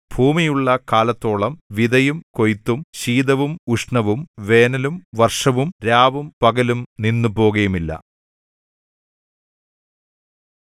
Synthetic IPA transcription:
b̥ʱuːmijuɭːɐkaːlɐt̪ːo̞ːɭɐmʋiðɐjumko̞jt̪ːumɕiːd̪ɐʋumuʂɳɐʋumʋe̞ːnɐlumʋɐrʂɐʋumɾaːʋumpɐɣɐlumninːupo̞ːɣɐjumilːɐ̰

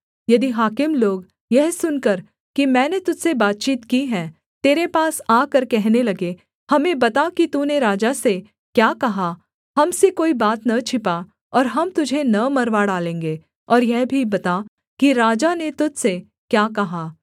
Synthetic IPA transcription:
jɐd̪iɦaːkɪmloːɡ | jɛɦsʊnkɐɾ | kimɛ̃ːnet̪ʊd͡ʒsebaːt̪̚t͡ʃiːt̪kiɦɛ̃ː | t̪eːɾepaːsaːkɐɾkɛɦnelɐɡe | hɐmẽbɐt̪akit̪uːneɾaːd͡ʒase | kjaːkɐɦa | hɐmsekoːibaːt̪nɐt͡ʃʰɪpa | ɔːɾɦɐmt̪ʊd͡ʒʱenɐmɐɾʋaɽaːlẽːŋ̆ɡeː | ɔːɾjɛɦbʱibɐt̪a | kiɾaːd͡ʒanet̪ʊd͡ʒse | kjaːkɐɦaː

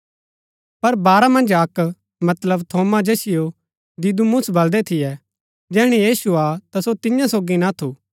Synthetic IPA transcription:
pɐɾbaːɾamɐ̃nd͡ʒɐk | mɐt̪ləbt̪ʰoːmad͡ʒɛːsɪjo | d̪ɪd̪umʊsbɐld̪ɛt̪ʰɪjɛ | d͡ʒɛːɽ̃ijiːsuat̪asot̪ɪjãsoːɡinat̪ʰuː

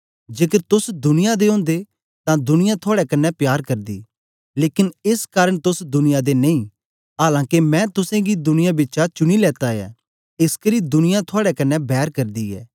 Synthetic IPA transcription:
d͡ʒeːkəɾt̪ʊsd̪ʊnɪjad̪eɦõːnd̪e | t̪ãd̪ʊnɪjãt̪ʰoaːɽɛkɐnːɛpjaːɾkɐɾd̪ḭː | leːkɪnɪskaːɾəɽ̃t̪ʊsd̪ʊnɪjad̪enẽĩ | ɦaːlãːkemɛ̃ːt̪ʊsẽɡid̪ʊnɪjabɪːt͡ʃat͡ʃʊɽ̃ilɛːt̪aja̰ː | ɪskəɾid̪ʊnɪjãt̪ʰoaːɽɛkɐnːɛbɛːɾkɐɾd̪iɛ̰ː

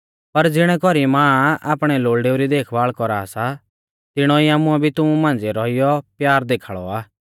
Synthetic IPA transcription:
pɐɾd͡zɪɽ̃ɛkɔɾimãːa̰ːpɽ̃ɛloːɭɖeːuɾid̪eːkʰʋaːɭkɔɾasa | t̪ɪɽ̃ɔiaːmʊ̃ɛbʱit̪ʊmũmãːnd͡zeɾɔɪjɔpjaːɾd̪eːkʰaːɭɔ̰aː

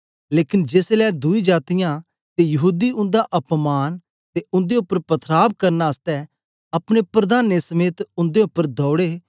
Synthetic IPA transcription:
leːkɪnd͡ʒeːslɛːd̪ʊid͡ʒaːt̪ijãː | t̪ejɐɦuːd̪iʊ̃nd̪aʔɐpmaːn | t̪eʊ̃nd̪eʊpːəɾpət̪ʰɾaːb̚kɐɾnaəst̪ɛː | ɐpɽ̃epɾəd̪aːnesəmeːt̪ʊ̃nd̪eʊpːəɾd̪ʱɔːɽeː

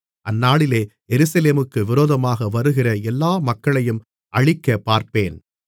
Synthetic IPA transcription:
ʔɐnːaːɭɪleːjɛɾɯsɐleːmɯkːɯʋɪɾoːðɐmaːɣɐʋɐɾɯɣɪrɐɛlːaːmɐkːɐɭɐjɯm | ʔɐɻɪkːɐpaːɾpeːn

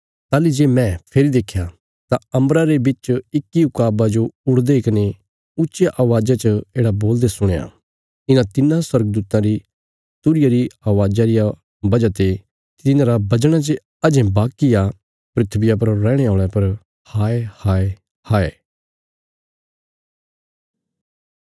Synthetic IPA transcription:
t̪aːlid͡ʒeːmɛ̃pʰeːɾid̪eːkʰːja | t̪aɐ̃mɾaɾebɪt͡ʃɪkːiʊkaːbad͡ʒoʊɽd̪ekɪne | ʊtːt͡ʃeʔaːʋaːd͡ʒat͡ʃəeːɽaboːld̪esʊɽ̃eːa̰ | ɪnãt̪ɪnãswɐɾɡəd̪uːt̪ãɾi | t̪ʊɾɪjaɾiaːʋaːd͡ʒaɾɪja | bɐd͡ʒat̪e | ɪnãɾabɐd͡ʒɽ̃at͡ʃe | ɐd͡ʒɛ̃baːkːija | pɾɪt̪ʰbɪjap̬ɐɾːɛ̃ːɽ̃eaːɭ̃ɛpɐɾ | haːehaːe | haːeː

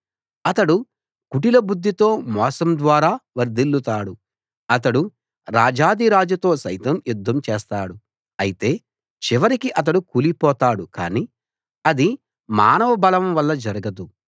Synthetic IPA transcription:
ɐt̪ɐɽu | kuʈilɐbud̪ʱːit̪o̞ːmɔːsɐmd̪ʋaːɾaːʋɐɾd̪ilːut̪aːɽu | ɐt̪ɐɽu | ɾaːd͡ʒaːd̪iɾaːd͡ʒut̪o̞ːsɐjt̪ɐmjud̪ʱːɐmt͡ʃeːst̪aːɽu | ɐjit̪e̞ː | t͡ʃiʋɐɾikiʔɐt̪̬ɐɽukuːlipɔːt̪aːɽuka̰ːniː | ɐd̪i | maːnɐʋɐbɐlɐʋɐmʋɐlːɐd͡ʒɐɾɐɡɐd̪u

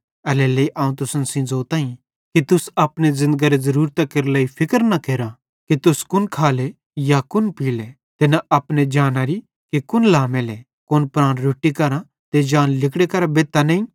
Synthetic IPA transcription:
ɐlɛleiʔãːũt̪ʊsənsĩd͡zoːt̪ãːĩ | kit̪ʊsɐpñezɪ̃nd̪ɡaɾezɐɾuːɾt̪akeɾlɐipʰɪkəɾnɐkeːɾa | kit̪ʊskʊnkʰaːle | jakʊnpiːle | t̪enaɐpned͡ʒaːnaɾi | kikʊnlaːmele | kʊnpɾãːnɾoːʈːikɐɾã | t̪ed͡ʒaːnlɪkɽekɐɾabeːt̪ːanɐ̃ĩ

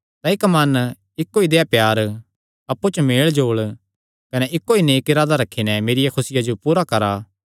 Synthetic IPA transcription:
t̪aɪkmɐn | ɪkːoːid̪eːapjaːɾ | ɐpːut͡ʃmeːɭd͡ʒoːɭ | kɐnɛʔɪkːoineːkɪɾaːd̪aɾɐkʰːinɛmeːɾɪjakʰʊsɪjad͡ʒopuːɾakɐɾaː

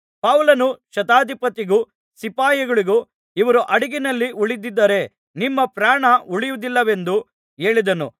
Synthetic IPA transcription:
pɐwlɐnuʃɐt̪aːd̪ipɐt̪iɡu | sipaːjɐɡɐɭiɡu | iʋɐɾuʔɐɽiɡinɐlːiuɭid̪id̪ːɐɾe̞ | nimːɐpɾaːɳɐuɭijud̪ilːɐʋe̞nd̪u | e̞ːɭid̪ɐnṵ

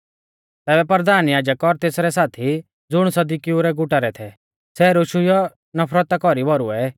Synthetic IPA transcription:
t̪ɛːbɛpɐɾd̪ʱaːnjaːd͡ʒəkːɔɾt̪eːsɾɛsaːt̪ʰi | d͡zʊɽ̃sɐd̪ikiuɾɛɡʊʈaɾɛt̪ʰɛ | sɛɾʊʃʊjɔ | nɐpʰɾət̪akɔɾibɔɾuɛ

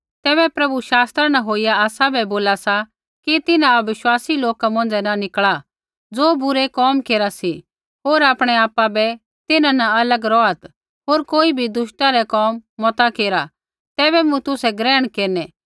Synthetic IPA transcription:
t̪ɛːbɛpɾɐbuʃaːst̪ɾanaɦoːijaaːsabʱɛboːlasa | kit̪ɪnãɐʋɪʃwaːsiloːkamɐ̃n̆d͡zɛnanɪkɭa | d͡zoːbʊɾɛkɔːmkeːɾasi | ɦoːɾaːpɽ̃ɛaːpːabɛ | t̪ɪnãnaɐləɡɾɔːat̪ | ɦoːɾkoːibʱid̪ʊʃʈaɾɛkɔːmːɔt̪akeːɾa | t̪ɛːbɛmũt̪ʊsɛɡɾɛːɽ̃keːɾnɛː

